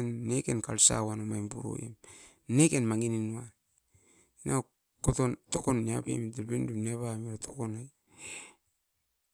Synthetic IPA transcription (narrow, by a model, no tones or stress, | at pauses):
nːeke̞nkalsa̰wanomajmbuɾo̰ḛm | nekenmaŋininua | inʔa | kotonto̞konːiapḛmdebinduneβameɾatʰokonaj